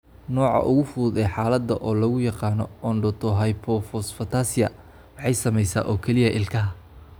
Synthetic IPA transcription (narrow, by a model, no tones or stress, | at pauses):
nɔːʕɑ̰ʔʊ̰ɣʊfuːd̪ɛħɑːlɐd̪ːɐʔɔːlɐɣʊjɑqɑːnɔ̰ɔːnɖɔt̪ʰɔɦɐjpʰɔfɔsfɐt̪ʰaːsɪjɐ̰ | wɑħɑjsɐmɛjsa̰ːʔɔːkʰɛlɪjɐʔɪlkʰɐɦɐ